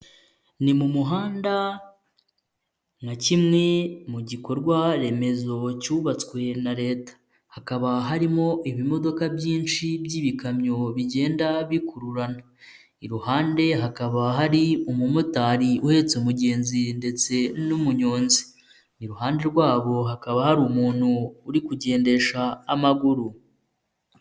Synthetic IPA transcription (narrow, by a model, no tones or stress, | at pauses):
nimumuɦaːnda | ŋacimŋe̞muɟiko̞ɾɡwaɾe̞me̞zo̞cuːβat͡swe̞naɾe̞ːtḁ | hakaβaɦaɾimo̞ʔiβimo̞do̞kabjiːnt͡ʃibjiːβikamɲo̞βiɟe̞ːndaβikuɾuɾana | iɾuhaːnde̞ɦakaβaɦaɾiumumutaːɾiuhe̞t͡seumuɟe̞ːnzinde̞t͡se̞numuɲo̞ːnzi̥ | iɾuɦaːnde̞ɾɡwaːβo̞ɦakaβahaɾuːmuːn̥huːɾikuɟe̞ːnde̞ʃaːmaɡuɾu